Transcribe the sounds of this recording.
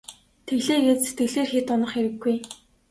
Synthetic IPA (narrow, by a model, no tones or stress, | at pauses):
t̪ʰeɣɮeːɣeːt̪set̪̚ɡɘ̆ɮeːrxet̪ɔnə̆χeɾɘ̆ɡːuj